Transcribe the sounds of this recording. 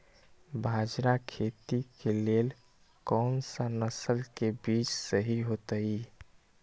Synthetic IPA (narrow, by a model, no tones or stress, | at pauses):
bʱad͡ʒɾakʰet̪ikelel | kɔnsanəsəlkebit͡ʃsəɦiɦot̪əi